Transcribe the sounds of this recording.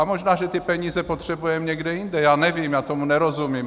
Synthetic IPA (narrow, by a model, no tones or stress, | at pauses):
amoʒnaːʒɛt̪ɪpɛɲiːzɛpot̪r̥ɛbujɛmɲɛɡdɛjind̪ɛjaːnɛviːmjaːt̪omunɛɾozumiːm